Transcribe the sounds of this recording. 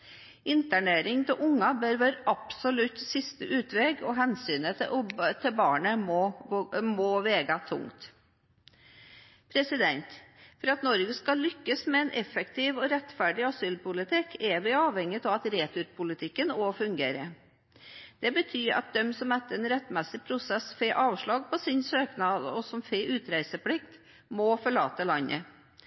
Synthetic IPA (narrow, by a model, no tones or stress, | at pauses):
ɪnt̪æɳeːɾɪŋt̪ʰɪʔʊŋːɑbøɾʋøːɾʔɑpsɔlʉt̪sɪst̪əʔʉːt̪ʋɛːɡɔɦɛnsyːnət̪ʰɪlbɑːɳəmɔ | mɔːʋeːɡɑt̪ʰʊ̰ŋt̪ | pʰɾɛsɪd̪ɛnt̪fɔɾɑt̪nɔɾɡəskɑlʏkːəsmɛɛnʔɛfɛkt̪ʰɪːʋɔɾɛt̪ːfæɖɪɑsyːlpʊlɪt̪ʰɪkʰːɛʋɪɑːʋhɛŋːət̪ɑʋɑt̪ɾeːt̪ʰʊɾpʰʊlɪt̪ʰɪkːənɔfʉŋɡeːɾə | d̪̥ɛbət̪ʰyːɾɑ̰t̪̚d̪ɛmsɔmɛt̪ːəɾɛnɾɛt̪ːmɛsɪpʰɾʊsɛsfeʔɑːʋʂɭɑːɡ̚pʰɔsɪnsøːknɑːd̪ɔsɔmfeʔʉːt̪ɾæɪsəpʰlɪkt̪ | mɔfɔɭɑːt̪əlɑnːʔə̰